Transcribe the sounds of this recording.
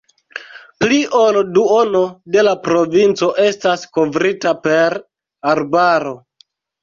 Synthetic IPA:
pliʔo̞lduono̞de̞lapɾo̞vint͡so̞ʔe̞stasko̞vɾitape̞ɾ | aɾbaɾo̞

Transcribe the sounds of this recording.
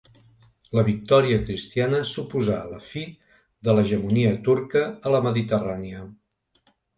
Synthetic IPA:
ləβik̚t̪ɔɾiəkɾist̪ianəsupuza̰ləfi | ðələʒəmuniət̪uɾkəːləməðit̪əraniə

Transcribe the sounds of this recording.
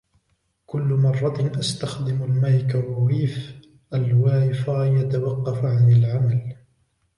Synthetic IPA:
kʊlːʊmɑrˤːɑt̪ʔast̪axd̪ɪmalmaːkaɾˤwiːf | ʔalwaːjɪfajat̪awɑqːɑfʕanɪlʕamal

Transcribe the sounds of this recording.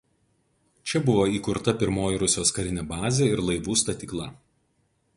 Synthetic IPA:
t͡ʃʲɛbʊʋoːiːkʊɾt̪ɐpʲɪɾmoːjɪɾʊsʲjoːskɐɾʲɪnʲɛbɑːzʲeɪɾlˠɐɪʋuːst̪ɐt̪ʲiːklˠɐ

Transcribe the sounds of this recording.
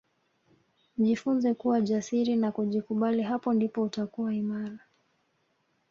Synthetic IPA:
ʄifunzɛkuwaʄasiɾinakuʄikuɓaliɦapɔndipɔutakuwaimaɾa

